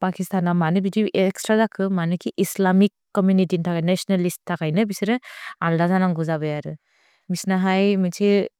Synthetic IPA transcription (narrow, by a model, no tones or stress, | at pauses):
pakistanːamanɯbidiʔekstɾadakʰɯmanɯkʰiʔislamikːomjunitintʰakajnesɔnalisʰakʰajnɯbisiɾɯaldazanaŋɡuzabɐjaɾɯ | misnaɦajmitʰi